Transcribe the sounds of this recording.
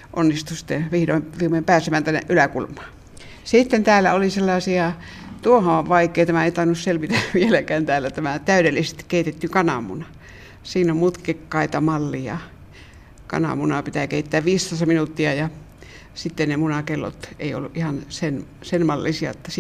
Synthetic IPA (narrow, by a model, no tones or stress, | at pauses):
ʔonːist̪usi̥t̪ːeʋihdoʋihmempæːsemæːnt̪ænːḛʔylækulmˑɑː | siˑt̪ːent̪æːlːæ̰oliselːɑːsiɑ | t̪uohõʋɑikːˑeit̪æmæeˑit̪ɑinusselʋit̪æʋielækæːnt̪æːlːæt̪æmæt̪æyɾelːisest̪i̥kkeit̪et̪ːykɑnɑ̰mṵnɑ | siːnommut̪kekːɑit̪ɑmɑlːijɑ̰ | kɑ̰nɑ̰munɑpit̪ækeit̪ːæːʋʋiːst̪osɑminut̪ːiɑjɑ | sit̪ːennemunɑkelːo̰t̪eio̰lːuʔʔihɑnsen | senmɑlːisiɑ̰ot̪ːɑs